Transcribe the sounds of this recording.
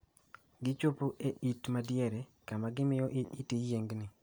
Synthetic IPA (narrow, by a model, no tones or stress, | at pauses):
ɡɪt͡ʃopoʔeʔitmadjɛɾɛkamaɡɪmɪjɔʔitijeŋɡnɪ